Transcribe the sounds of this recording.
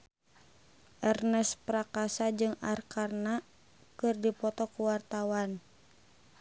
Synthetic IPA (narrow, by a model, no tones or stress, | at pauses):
ʔɛrnɛspɾakasad͡ʒɨŋa̰rkarna | kɨrdipɔt̪ɔkuwart̪awan